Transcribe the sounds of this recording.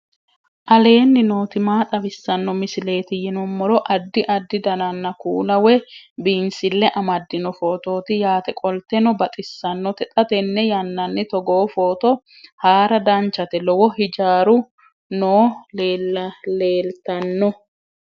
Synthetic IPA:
ʔɐle̞ːnːɪno̞ːt̪ɪmaːt̪ʼɐbɪsːɐnːɔmɪsɪle̞ːt̪ɪjɪnɔmːɔɾɔʔɐd̪ːɪʔɐd̪ːɪd̪ɐnɐnːɐkuːlɐwɛbiːnsɪlːɛʔɐmɐd̪ːɪnɔfo̞ːt̪o̞ːt̪ɪjaːt̪ɛkʼɔlt̪ɛnɔbɐt̪ʼɪsːɐnːɔt̪ɛt̪ʼɐt̪ɛnːɛjɐnːɐnːɪt̪ɔɡoːfoːt̪ɔ | haːɾɐd̪ɐnt͡ʃːɐt̪ɛlɔwɔhɪd͡ʒaːɾʊ | noːlleːlt̪ɐnːɔ

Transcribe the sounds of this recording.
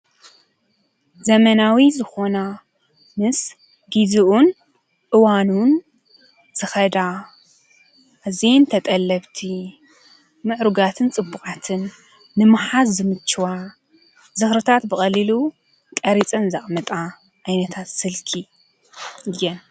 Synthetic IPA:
zɐmɐnawizɨxo̞na | mɨs | ɡiziʔun | ʔɨwanun | z̥ɨxɐd̪a | ʔːzent̪ʰɐt̪ʼɐlːɐβt̪ʰi | mɨʕɾuɡat̪ʰɨnt͡sʼɨbːukʼat̪ʰɨnː | ɨmɨħazzɨmɨt͡ʃːɨwa | zɨxɾɨt̪ʰat̪bɨxʼɐlilu | k̪ʼɐɾit͡sʼɐnzɐχʼmɐt̪ʼa | ʔajnɐt̪ʰat̪sɨlkʰi | ɨjɛn

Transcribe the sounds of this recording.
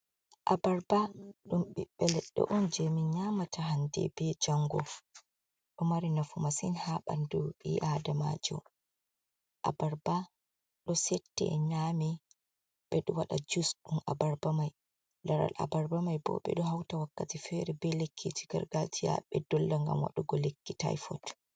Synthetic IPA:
ʔabaɾbaɗumɓiɓɛlɛɗːɔ̰ʔɔnd͡ʒemiɲamatʰaɦandɛ̰bɛd͡ʒaŋɡɔ | ɗɔmaɾinafumasinhaɓa̰nduḭʔadama̰d͡ʒɔ̰ | ʔabaɾba | ɗɔsɛtːɛ̰ɲami | ɓ̥ɛɗɔwaɗad͡ʒusɗunabaɾbamaj | laɾa̰lʔa̰baɾbamajbɔ̰ɓɛ̰ɗɔhawtawakːatifɛɾɛbɛlekʰːiti̥ɡa̰ɾɡatija̰ɓɛdɔlːaŋɡa̰mwa̰ɗuɡɔlekːita̰jfɔt

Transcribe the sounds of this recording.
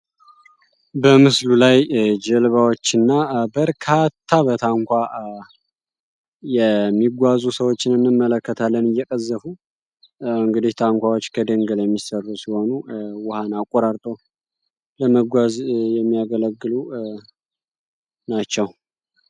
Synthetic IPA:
bəmɨslulajd͡ʒəlβawot͡ʃːɨnːabəɾkʰat̪ʰːaβət̪ʰaŋkʷa | jɛmːiɡʷazusəwot͡ʃːɪnɨnːɨmːələkːət̪ʰalːənɨjːɛkʼəzːəfu | ɨŋɡɨd̪iht̪ʰaŋkʷawo̞t͡ʃːkʰəd̪əŋɡəljɛmːisərːusiho̞nuwʊhanakʼːoɾaɾt̪ʼo | ləməɡʷazjɛmːijaɡələɡːɨlu | nat͡ʃːɛw

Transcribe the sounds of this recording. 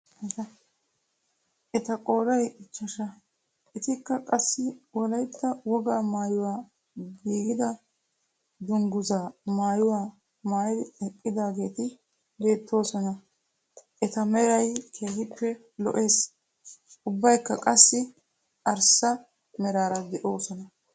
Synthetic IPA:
ʔɛt̪ɐkʼo̞ːlɐjɪt͡ʃːɐʃɐ | ʔɛt̪ɪkːɐkʼɐsːɪwɔlɐjt̪ːɐwɔɡaːmaːjʊwaː | ɡiːɡɪd̪ɐ | d̪ʊŋɡʊzaːmaːjʊwaː | maːjɪd̪ɪɛkʼːɪd̪aːɡe̞ːt̪ɪ | be̞ːt̪ːo̞ːsɔnɐ | ʔɛt̪ɐmɛɾɐjkʰeːhɪpːɛ | lɔ̰ʔe̞ːs | ʊbːɐjkːɐkʼɐsːɪ | ʔɐɾsɐ | mɛɾaːɾɐd̪ɛʔo̞ːsɔnɐ

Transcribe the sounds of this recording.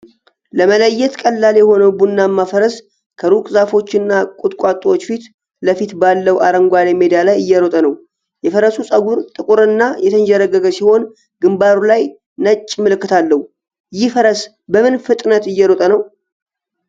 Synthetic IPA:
ləmələjːɛt̪kʼəlːaljɛho̞nəwbunːamːafəɾəs | kʰəɾukʼzafo̞t͡ʃːɪnːakʼut̪ʼkʷʼat̪ʼːwot͡ʃːfit̪ | ləfit̪balːəwaɾəŋɡʷalemed̪ialajɨjːɛɾot̪ʼənəw | jɛfəɾəsusʼəɡuɾt̪ʼɨkʼuɾɨnːajɛt̪ʰənd͡ʒəɾəɡəɡəsiho̞n | ɡɨmbaɾulaj | nət͡ʃʼːmɨlɨkːɨt̪ʰalːəhu | jɪfəɾəs | bəmɨnfɨt̪ʼnət̪ɨjːɛɾot̪ʼənəw

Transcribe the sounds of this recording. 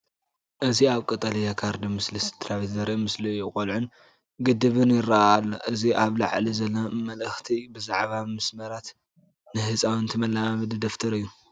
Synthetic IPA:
ʔɨziaβkʼɨt̪ʼɐlijakʰaɾd̪imɨslist̪ʰɾaβit̪zɐɾemɨslijɪkʼolʕun | ɡɨd̪ɨβɨnjɪrːalːoʔɨziʔaβla̰ʕlizɐlːamɐlɨxt̪ʰibɨzaʕβamɨsmɐɾat̪ | nɨhɨt͡sʼawɨnt̪ʰɨmɐlːamamɨd̪ɨd̪ɐft̪ʰɐɾɨjːu

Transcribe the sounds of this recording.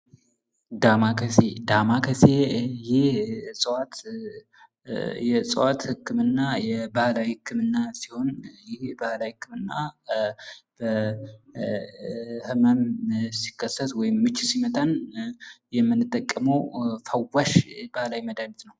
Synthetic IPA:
d̪amakʰəsed̪amakʰəsejɪhsʼəwat̪ | jɛsʼə̰wat̪hɨkːɨmɨnːajɛbahlajhɨkʰːɨmɨnːasiho̞njɪhbahlajhɨkːɨmɨnːa | b̥ə | hɨməmsi̥kːəsːət̪wɔjɪmːɨt͡ʃːsimət̪ʼən | jɛmːɨnːɨt̪ʼːəkʼːəməwfəwːaʃbahlajməd̪anit̪nəw

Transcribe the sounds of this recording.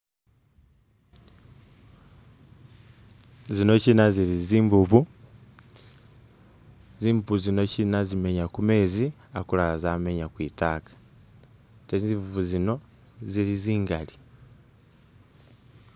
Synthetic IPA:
zino̞cinaziɾiziːmbuβu | ziːmbuβuzino̞cinazime̞ɲakume̞ːzi | akulazaːme̞ɲakwiːtakḁ | tezimbuβuzino̞ | ziɾiziːŋɡali

